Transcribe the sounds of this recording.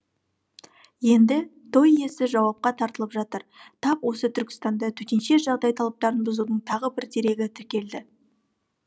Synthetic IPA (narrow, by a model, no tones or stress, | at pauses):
je̞nd̪ɪ | t̪ʰo̞je̞sɪʒɑwɑp̚qɑt̪ʰɑɾt̪əlˠəpʒɑt̪əɾt̪ʰɑqwo̞sət̪ʰʏɾkʲɪ̥st̪ɑnd̪ɑt̪ʰɵt̪enʃe̞ʒɑʁd̪ɑjt̪ʰɑlˠɑp̚t̪ɑɾənbʊzud̪əɴt̪ʰɑʁəbɪɾt̪ʰe̞ɾe̞ɡʲɪt̪ʰɪɾkʲe̞ld̪ɪ